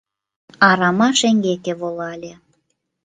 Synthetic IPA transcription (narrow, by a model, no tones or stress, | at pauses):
ɑɾɑmɑʃeŋɡekeβolɑlʲe